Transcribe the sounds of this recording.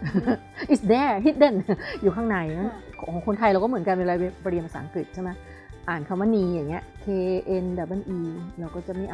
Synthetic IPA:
ʔi˨sdɛː˨˧˩ɦi˦˥t̪̚de˧˩njuː˨˩kʰaː˧˥˩ŋna˧˩jma˥˩nkʰɔː˩˦ŋkʰo˧nt̪ʰa˧jɾa˧wkɔː˥˩mɯ˩˦nka˧mi˧ɾa˧jbɔ˧ɾi˧pʰa˧sa̰ː˩˦ŋkɯ˨˩t̪̚t͡ɕʰe˥˩ma˦˥ | ʔaː˨˩nkʰa˧˩mːaː˧˥˨niː˧ja˨˩ŋːi˦˥ɐʔkʰeː˧ʔe˧nda˨˩ʔa˧˥˩nʔiː˧ɾɛː˧wkɔː˥˩t͡ɕa˨˩miː˧˥˩ʔ

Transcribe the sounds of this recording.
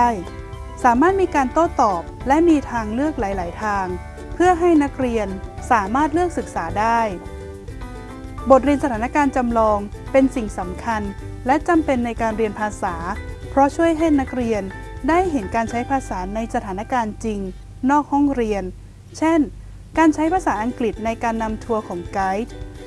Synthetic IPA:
j | saː˩˦maː˥˩t̪̚miː˧kaː˧nt̪o˥˩t̪ɔː˨˩p̚lɛ˦˥ʔmiː˧t̪ʰaː˧ŋlɯ˥˩ək̚la˩˦jlaː˩˦jt̪ʰaː˧ŋ | pʰɯ˥˩əɦa˥˩jna˦˥k̚ɾi˧ənsaː˩˦maː˥˩t̪̚lɯ˥˩k̚sɯ˨˩k̚saː˩˦daː˥˩j | bo˨˩t̪̚ɾi˧ənsa˧t̪ʰaː˩˦na˦˥kaː˧nt͡ɕa˧mlɔː˧ŋ | pe˧nsi˨˩ŋsa˩˦mkʰa˧n | lɛ˦˥t͡ɕa˧mpe˧nːa˧jkaː˧nɾi˧ənpʰaː˧saː˩˦pʰɾɔ˦˥t͡ɕʰu˥˩əjɦa˥˩jna˦˥k̚ɾi˧əndaː˥˩jɦe˩˦nkaː˧nt͡ɕʰa˦˥jpʰaː˧saː˩˦na˧jsa˧t̪ʰaː˩˦na˦˥kaː˧nt͡ɕi˧ŋ | nɔː˥˩k̚hɔ˥˩ŋɾi˧ən | t͡ɕʰe˥˩n | kaː˧nt͡ɕʰa˦˥jpʰaː˧saː˩˦ʔa˧ŋkli˨˩t̪̚na˧jkaː˧nːa˧mt̪ʰu˧əkʰɔː˩˦ŋka˦˥jt̪ʰ

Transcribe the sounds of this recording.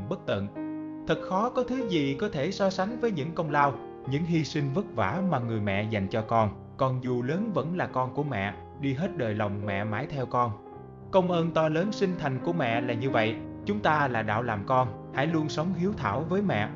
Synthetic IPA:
mɓə˦˥k̚t̪ə̰˧˨nt̪ʰɨ˨˩t̚xɔ˨˦kɔ˨˦t̪ʰɨ˨˦zi˨˩kɔ˨˦t̪ʰe˧˩sɔ˨˦sa˨˦jŋ̟vəː˨˦jɲɨ̰˧˥ŋkə˧wŋ͡mlaː˧w | ɲɨ̰˧˥ŋɦi˧si˧ŋvə˦˥t̚va̰ː˧˩maː˨˩ŋɨ˨˩əjmɛ̰˧˨za˨˩jŋ̟t͡ɕɔ˧kɔ˧n | kɔ˧˩nzu˨˩ləː˨˦nvə̰˧˥nlaː˨˩kɔ˧nku˧˩əmɛ̰˧˨ | ɗi˧ɦe˦˥t̚ɗəː˨˩jlə˨˩wŋ͡mmɛ̰˧˨maː˨˦jt̪ʰɛ˧wkɔ˧n | kə˧wŋ͡mʔəː˧nt̪ɔ˧ləː˨˦nsï˧ŋ̟t̪ʰa˨˩jŋ̟ku˧˩əmɛ̰˧˨laː˨˩ɲɨ˧və̰˧˨jt͡ɕʊ˨˦ŋ͡mt̪aː˧laː˨˩ɗa̰ː˧˨wlaː˨˩mkɔ˧n | ha̰˧˥jlu˧ənsə˨˦wŋ͡mhi˨˦wt̪ʰa̰ː˧˩wvəː˨˦jmɛ̰˧˨

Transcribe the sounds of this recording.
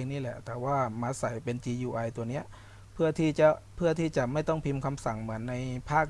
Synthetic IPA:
e˧ŋniː˥˩lɛ˨˩t̪ɛː˨˩waː˥˩maː˧˥sa˩˦jpe˧nt͡ɕiː˧juː˧ʔa˧jt̪u˧əni˦˥ɐ | pʰɯ˥˩ɐt̪ʰiː˥˩t͡ɕa˨˩pʰɯ˥˩ɐt̪ʰiː˥˩t͡ɕa˨˩ma˥˩jt̪ɔ˥˩ŋpʰi˧mkʰa˧msa˨˩˦ŋmɯ˩˦ənːa˧jpʰaː˥˩k̚

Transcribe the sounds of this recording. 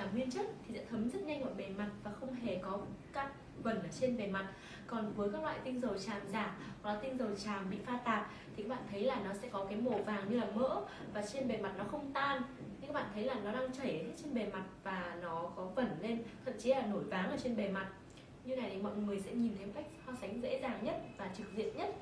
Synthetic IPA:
aː˧˩ŋwi˧ənt͡ɕə˦˥t̚t̪ʰi˨˩a̰ː˧˥t̪ʰə˨˦mzə˦˥t̚ɲa˧jŋ̟mɔ̰˧˨jɓe˨˩ma˨˩t̚vaː˨˩xə˧wŋ͡mɦe˧˨˩kɔ˨˦kaː˦˥k̚ | və˧˩nʔəː˨˩t͡ɕe˧nɓe˨˩ma˨˩t̚ | kɔ˨˩nvəː˨˦jkaː˦˥k̚lwa̰ː˧˨jt̪ï˧ŋzə˨˩wt͡ɕaː˨˩mzaː˧˩˨laː˨˩t̪ï˧ŋzə˨˩wt͡ɕaː˨˩mɓḭ˧˨faː˧t̪aː˨˩p̚t̪ʰi˨˩˨aː˦˥ɓa̰ː˧˨t̪ʰə˨˦jlaː˨˩nɔ˨˦sɛ̰˧˥kɔ˨˦kaː˨˦jmo˧˩vaː˨˩ŋɲɨ˧laː˨˩mə̰˧˥ | vaː˨˩t͡ɕe˧nɓe˨˩ma˨˩t̚nɔ˨˦xə˧wŋ͡mt̪aː˧nɲɨ˧ka˦˥ɓa̰ː˧˨nt̪ʰjlaː˨˩nɔ˨˦ɗaː˧ŋt͡ɕə˧˩jhe˦˥t̚t͡ɕe˧nɓe˨˩ma˨˩t̚vaː˨˩nɔ˨˦kɔ˨˦və˧˩nle˧nt̪ʰə̰˧˨mt͡ɕi˨˦laː˨˩no˧˩jvaː˨˦ŋʔəː˨˩t͡ɕe˧nɓe˨˩ma˨˩t̚ | ɲɨ˧na˨˩jt̪ʰi˨˩mɔ̰˧˨jŋɨ˨˩əjsɛ̰˧˥ɲi˨˩nt̪ʰe˧mka˦˥k̚haː˧sa˨˦ŋ̟zḛ˧˥zaː˨˩ŋɲə˦˥t̚vaː˨˩t͡ɕɨ˨˩k̚zḭ˧˨ənɲə˦˥t̚

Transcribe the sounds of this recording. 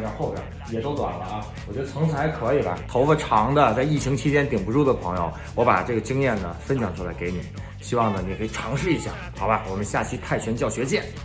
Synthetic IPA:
jɑ˧˥xo˥˧ʊpjɑ̰˨˩˦ | jɛ˨˩t̪o˥ʊt̪wa̰˨˩nlə˦ɐ˧ | wɔ˨˩t͡ɕɥɛ˧˥d̪ə˧t͡sʰɤ˧˥ŋt͡s̩ʰ˧˩a˥ɪkʰɤ˧˥i˨˩bɐ̰˧t̪ʰo˧˥ʊfə˥˧ʈ͡ʂʰɑ˧˥ŋd̪ə˧t͡sa˥˧ɪi˥˩ɕi˧˥ŋt͡ɕʰi˥t͡ɕjɛ˥nt̪i˨˩ŋpu˧˥ʈ͡ʂu˥˩d̪ə˩pʰɤ˧˥ŋjo̰˧ʊ | wɔ˧˥pa̰˨˩ʈ͡ʂɤ˥˩ɡə˩t͡ɕi˥ŋjɛ˥˩nnə˩fə˥nɕjɑ˨˩ŋʈ͡ʂʰu˥la̰˧˥ɪke˧˥ɪni˨˩˦ | ɕi˥wɑ˥˩ŋnə˩ni˨˩kʰɤ˧˥i˨˩ʈ͡ʂʰɑ˧˥ŋʂɻ̩˥˩i˧˥ɕjɑ̰˥˩xɑ˧˥bɐ˧wɔ˨˩mə˦nɕja˥˩t͡ɕʰi˥t̪ʰa˥˩ɪt͡ɕʰɥɛ˧˥nt͡ɕjɑ˥˩ʊɕɥɛ˧˥t͡ɕjɛ˥˩n

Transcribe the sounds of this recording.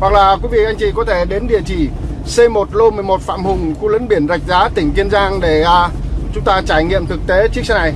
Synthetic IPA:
wa˨˩k̚laː˨˩kwi˨˦vḭ˧˨ʔa˧jŋ̟t͡ɕi˧˩kɔ˨˦t̪ʰe˧˩ɗe˨˦nɗḭ˨˧˨ət͡ɕi˧˩ | se˧mo˨˩t̚lo˧mɨ˨˩əjmo˨˩t̚fa̰ː˧˨mhʊ˨˩ŋ͡mxu˧lə̰˧˥nɓi˧˩ənza˨˩jk̟̚zaː˨˦t̪ï˧˩ŋ̟ki˧ənzaː˧ŋɗe˧˩a˧t͡ɕʊ˨˦ŋ͡mt̪aː˧t͡ɕaː˧˩jŋḭ˧˨əmt̪ʰɨ˨˩k̚t̪e˨˦t͡ɕɨ˦˥ək̚sa˧˦˥na˨˩j

